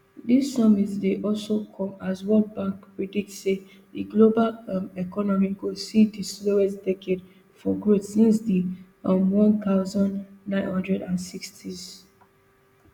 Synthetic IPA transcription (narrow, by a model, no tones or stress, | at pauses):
disːɔmitdeʔɔlsokʰɔ̃mazwɔ̃nbãŋkpɹidik̚tse | diɡlobalmɛkɔnɔmiɡosidislowɛstdɛkʰed | fɔɡɹotsĩnsdi | ɔmwɔ̃nt̪aʊzɔ̃nnːãɪ̃nhɔ̃ndɹɛdãnsikstʰiz